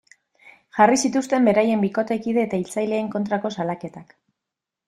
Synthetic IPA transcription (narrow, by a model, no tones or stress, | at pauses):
ʝarisit̪ust̪e̞mbe̞ɾaje̞mbiko̞t̪e̞kiðe̞ːt̪ailt͡sajle̞ːŋko̞nt̪ɾako̞salake̞t̪ak